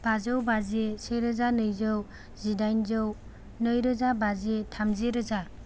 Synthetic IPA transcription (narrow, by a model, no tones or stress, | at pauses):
b̥azɯwbazeseɾɯzanɯjzɯw | zidajnzɯw | nɯjɾɯzabazetʰamzeɾɯza